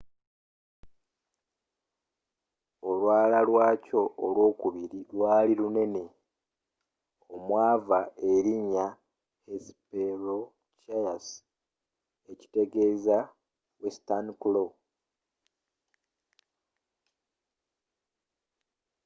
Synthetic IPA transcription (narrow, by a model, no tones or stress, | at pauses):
o̞lwaːlalwaːco̞ʔolwo̞ːkuβiɾilwaːliɾune̞ne̞ | omwaːvae̞ɾiɲa | esi̥peɾo | cajas | eci̥te̞ɡe̞ːza | westankulo